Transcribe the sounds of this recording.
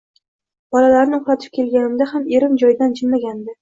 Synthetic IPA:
b̥ɒlalaɾnɪoχɾat̪ʰɪ̥p̚kʲʰe̞lˠɡʲanɪmd̪ahame̞ɾɪmd͡ʒɒjd̪and͡ʒɪnlaɡʲand̪ɪ

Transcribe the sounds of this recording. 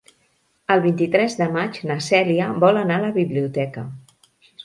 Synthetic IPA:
əlˠβint̪it̪ɾɛzðəmat͡ʃnəsɛliəβɔlənaləβiβliut̪ɛkə

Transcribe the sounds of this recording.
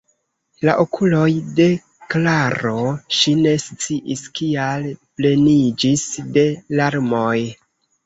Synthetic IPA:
la̰ʔokʰulojde̞ | klaɾo̞ʃine̞st͡siʔiskialple̞nid͡ʒisde̞laɾmoj

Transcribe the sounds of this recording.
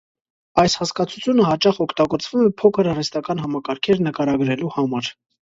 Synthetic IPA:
ɑjshɑskɑt͡sʰu̥t͡sʰjunəhɑt͡ʃɑχɔkʰt̪ɑɡɔt͡sʰvumɛpʰɔkʰəɾɑrɛst̪ɑkɑnɦɑmɑkɑɾkʰɛɾnəkɑɾɑɡɾɛluhɑmɑɾ

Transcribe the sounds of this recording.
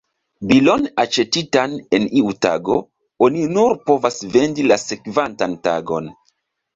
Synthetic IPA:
bilo̞nat͡ʃe̞titane̞niuta̰ɡo̞ | oninuɾpo̞vasve̞ndilase̞kvantanta̰ɡo̞̰n

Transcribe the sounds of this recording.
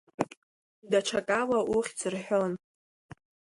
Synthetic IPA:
daʈ͡ʂʰakʼalaʔuχʲt͡sʰʼɨrħʷᶣon

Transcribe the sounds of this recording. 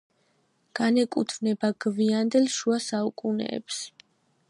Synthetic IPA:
ɡ̥anɛkʼut̪ʰvnɛbaɡ̥viand̪ɛlʃuasaukʼunɛ̰ːps

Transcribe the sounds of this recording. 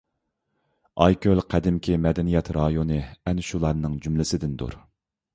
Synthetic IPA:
ɑjkʲʰølqʰæd̪ɪmkʲʰimɛd̪ɛnijɛt̪ɾɑjonɨɛnʃulˠɑɾnɨŋd͡ʒymlɪsɪd̪ɪnd̪ṵɾ

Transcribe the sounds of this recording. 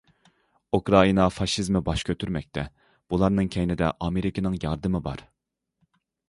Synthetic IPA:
ukɾɑinɑfɑʃizmɪbɑʃkʲʰøt̪ʰyɾmɛk̚ʲt̪ʰɛ | b̥ulˠɑɾnɨŋkʲʰɛjnɪd̪ɛ̰ʔɑmeɾɪkʲinɨŋjɑɾd̪ɨmɨbɑ̰ɾ

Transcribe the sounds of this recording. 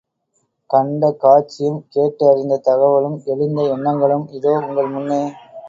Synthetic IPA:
kɐɳɖɐkaːʈt͡ʃːɪjɯmkeːʈːɐɐɾɪnd̪ɐt̪ɐɣɐʋɐɭɯmɛɻɯnd̪ɐɛɳːɐŋɡɐɭɯmɪðoːʊŋɡɐɭmʊnːeː

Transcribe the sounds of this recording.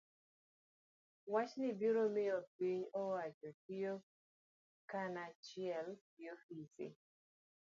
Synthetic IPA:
wat͡ʃnɪbiɾomɪopiɲɔwat͡ʃɔkijo | kanat͡ʃɪɛl | jofisḭ

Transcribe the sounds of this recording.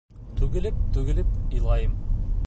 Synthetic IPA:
t̪ʰʉɡɘ̆lɘp̚t̪ʰʉɡɪ̆lɪp̚ilˠɑjɤm

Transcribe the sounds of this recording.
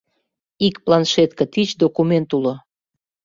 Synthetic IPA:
ikplɑnʃet̪kə̆t̪it͡ɕd̪okument̪ulo

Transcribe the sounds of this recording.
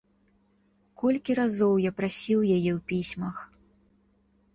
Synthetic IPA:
kʰɔlʲkʲiɾazɔwjapɾasʲiwjajɛwpʲisʲmɐx

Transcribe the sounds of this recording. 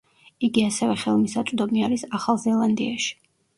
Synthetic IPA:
iɡiasɛvɛχɛlˠmisat̪sʼd̪ɔmiaɾisaχalˠzɛlˠand̪iaʃi̥

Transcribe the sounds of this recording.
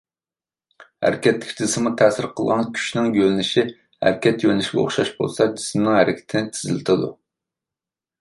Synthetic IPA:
hæ̰ɾɪkʲʰɛt̪lːɪ̥kʲd͡ʒisɪmut̪ʰæsɪɾqʰəlˠʁɑnkʲʰy̥ʃnɪŋjølɪnɪʃi | hæ̰ɾkʲɛt̪jølnɪʃiɡʲɛo̰χʃɑʃbo̰lˠsɑd͡ʒismnɪŋhæɾʔɪkʲʰɪ̥t̪ʰɪnɪt̪ʰɪ̥zɪlɪt̪ʰɨd̪ṵ

